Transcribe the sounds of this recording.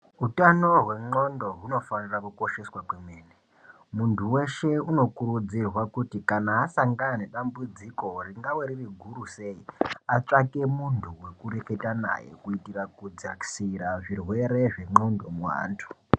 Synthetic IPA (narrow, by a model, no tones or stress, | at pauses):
utano̞ɦwe̞ŋ͡ǃo̞ndo̞ɦuno̞fanirakuko̞ʃe̞swakwe̞mweːne | muntʰuwe̞ʃe̞uno̞kuɾud͡zirwakutikanaːsaŋɡanane̞ɗambud͡ziko̞riŋɡaweɾiriɡʱuɾuse̞iat͡ʂake̞muntʰuwe̞kuɾe̞ke̞tana̰je̞̰kuitirakud͡ziaksiɾaʐirwe̞ɾe̞ʐe̞ŋ͡ǃo̞ndo̞mwa̰ːntʰu̥